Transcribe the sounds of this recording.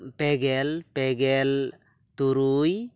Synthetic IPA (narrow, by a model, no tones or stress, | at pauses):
peɡelpeɡel | t̪uɾuj